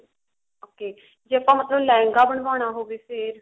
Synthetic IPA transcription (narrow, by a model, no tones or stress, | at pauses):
oːkeː | d͡ʒiːəpãːmət̪ləblɛ̃ːŋɡaːbəɳ̃ʋaːɽ̃aːɦoːʋiːseːɾ